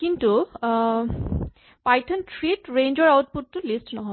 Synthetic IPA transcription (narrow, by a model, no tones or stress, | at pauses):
kint̪u | pajtʰonʈɾiʈɾẽjnd͡ʑɔɾawt̚putːulisʈnɔɦɔ